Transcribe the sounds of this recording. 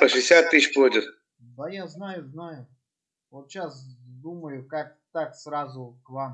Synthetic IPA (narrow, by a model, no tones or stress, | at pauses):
pəʂɨɪsʲat̪ːɨɕplˠodʲɪt̪ | d̪əjaznajʊznajʊ | vot̪ɕasd̪uməjʊkak̚ | t̪aksɾazʊkvam